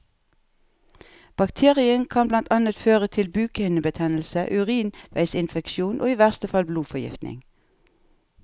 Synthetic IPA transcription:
b̥ɑkt̪ʰeːʁɪənkʰɑnblɑnt̪ʰɑnət̪føːʁət̪ʰɪlbʉːkəɪnəbət̪ʰɛnl̩səʔʉʁiːnʋæɪsɪnfɛkʃuːnʔo̰ːiːʋæʁst̪əfɑlbluːfɔjɪ̰ft̪nɪ̰ŋ

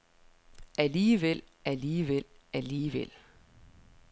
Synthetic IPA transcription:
æliːʋel̰æliːʋel̰æliːʋel̰

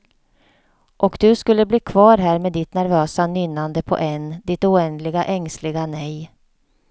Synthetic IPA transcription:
ʔɔkd̪̥ɵskɵlːəbliːkʰvɑːɾɦæːɾmeːd̪ɪt̪næɾvøːsanʏnːand̪əpʰɔ̰ʔɛnd̪ɪt̪ʊɛnd̪lɪɡaʔɛŋslɪɡanɛj

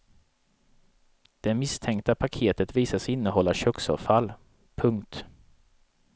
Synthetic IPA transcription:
d̪̥ɛmɪst̪ʰɛŋk̚t̪apʰakʰeːt̪ət̪viːsasɪnːəɦɔlːaɕœksɑ̰ːvfalː | pʰɵŋkt̪

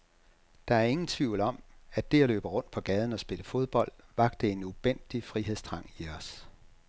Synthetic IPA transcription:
d̥ɑ̈æɐe̝ŋn̩t͡sʰʋiʊ̰lɒ̽m̰æ̥e̝æløːb̥əʁɔ̽n̰d̥̚pʰɒ̽ɡ̥ɛːð̞ˠn̩ɒ̽sb̥e̝ləfo̝ð̞ˠb̥ɒ̽l̰d̥ʋɑ̈ɡ̥d̥əe̝nuʋ̥en̰d̥ifʁiɦe̝ð̞̰ˠsd̥ʰʁɑ̈ŋ̰iɒs

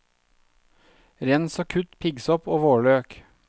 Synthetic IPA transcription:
ɾɛnsoːkʰʉt̪pʰɪɡsɔpoːʋoːɭøːk

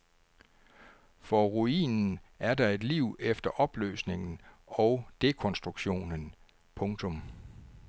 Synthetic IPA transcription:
fɒʁuḭːnn̩æɐdɑ̈e̝d̥liʊ̰efd̥ɐʔɒ̽b̥lø̰ːsne̝ŋn̩ɒ̽ʊd̥e̝kʰɔ̽nsd̥ʁuɡ̥ɕo̝̰ːnən | pʰɔ̽ŋt͡sʰɔ̽m

